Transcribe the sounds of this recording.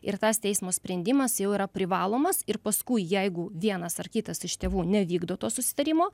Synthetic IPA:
ɪɾt̪ɐst̪ʲɛɪsmoːsʲpʲɾʲɛnʲd̪ʲɪmɐsjɛʊiɾɐpʲɾʲɪʋɑːlˠoːmɐsɪɾpɐskʊɪjɛɪɡʊʋʲiɛnɐsɐrkʲɪt̪ɐsɪʃt̪ʲeːʋuːnʲɛʋʲiːɡd̪oːt̪oːsʊsʲɪ̥t̪ɐɾʲɪmoː

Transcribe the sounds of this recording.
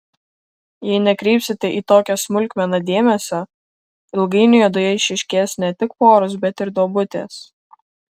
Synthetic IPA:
jɛɪnʲɛkɾʲɛːpsʲɪt̪ʲɛʔiːt̪oːkʲɛsmʊlʲkʋʲɛnɐd̪ʲeːmʲɛsʲɛ | ɪlˠɡɐɪnʲʊjɛd̪ʊjɛɪʃʲɪʃʲkʲeːsnʲɛt̪ʲɪkpoːɾʊs̬bʲɛt̪ɪɾd̪oːbʊt̪ʲḛːs

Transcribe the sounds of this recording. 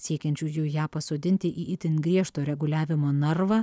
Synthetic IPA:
sʲiɛkʲɛnʲt͡ʃʲuːjuʊjæːpɐsoːd̪ʲɪnʲt̪ʲɪʔiːʔɪt̪ʲɪnɡɾʲiɛʃt̪oːɾʲɛɡʊlʲæːʋʲɪmoːnɐrʋɑː

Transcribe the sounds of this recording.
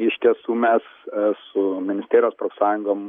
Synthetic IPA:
ɪʃʲt̪ʲiɛsuːmʲɛssʊmʲɪnʲɪst̪ʲeːɾʲjoːspɾofsɑːjʊŋɡoːm

